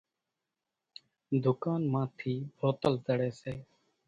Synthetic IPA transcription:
d̪ʊkaːnmãːt̪ʰiːbʱoːt̪əlt̪əɽeːseː

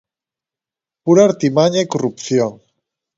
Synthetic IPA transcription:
puɾaɾt̪imaɲajkorupθjoŋ

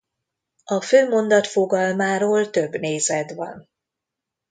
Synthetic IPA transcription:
ɒføːmo̞nd̪ɒt̪fo̞ɡɒlmaːɾoːlt̪ø̞bneːzɛd̪vɒ̰n

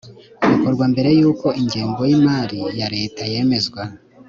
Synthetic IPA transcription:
ɡako̞ɾɡwambe̞ɾe̞juːko̞iɲɟeːŋɡo̞jimaːɾijaɾe̞ːtaje̞ːme̞zɡwa

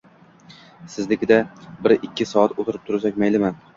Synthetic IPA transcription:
sɪzlɪkʲɪd̪abɪɾɪkʲʰːɪsɒat̪ʰot̪ʰɪɾɪp̚t̪ʰʊɾasak̚ʲmajlɪman

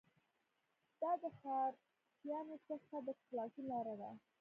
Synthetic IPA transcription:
d̪̥ɑd̪əxɑɾ | tjɑnosəxt̪ad̪əklɑkilɑɾad̪a̰

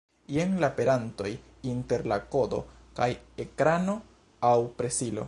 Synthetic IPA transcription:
jeŋlape̞ɾanto̞j | inte̞ɾlako̞do̞̰ | kaje̞kɾano̞ | awpɾe̞silo̞̰

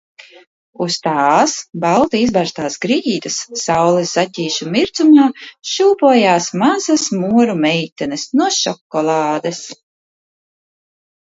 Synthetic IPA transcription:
ust̪aːsbalˠt̪iizbaɾst̪aːsɡɾijiːt̪ɐsːawlˠɛszatʲiːʃumiɾt̪sumaːʃuːpuɔjaːsmazɐsmuɔɾumɛjt̪ɛnɛsnuɔʃɔkːɔlˠaːd̪es

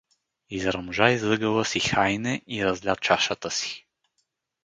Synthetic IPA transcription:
izɾɐmʒaizlˠɤɡəvəsixajnɛiɾɐzlʲat̪̚t͡ʃaʃət̪əsi̥

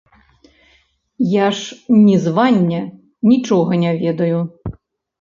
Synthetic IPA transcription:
jaʂnʲizʋanʲːɐ | nʲit͡ʂɔɣɐnʲavʲɛd̪ɐju

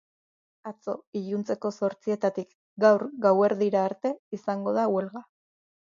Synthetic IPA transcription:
at͡so̞iʎunt͡se̞ko̞so̞ɾt͡sie̞t̪at̪ik | ɡawɾɡawe̞ɾðiɾaːɾt̪e̞isaŋɡo̞ð̞awe̞lɣa

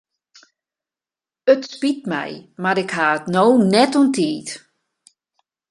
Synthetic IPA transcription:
ətspit̚mɛ̰jmaɾɪkhaːətnoːnɛtuntʰiːt

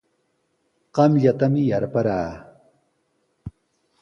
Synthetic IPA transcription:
qɑmʎat̪amɪjaɾpaɾaː

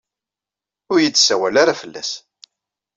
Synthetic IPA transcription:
ʊɾjət͡sːsæwælaɾafəlːæ̰s

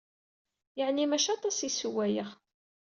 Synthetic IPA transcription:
jəʕnimæʃɑt̪ˤɑsisuwæjəʁ

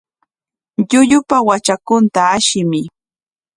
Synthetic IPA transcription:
ʎʊʎʊpawat͡ʃakʊnt̪aːʃɪmɪ

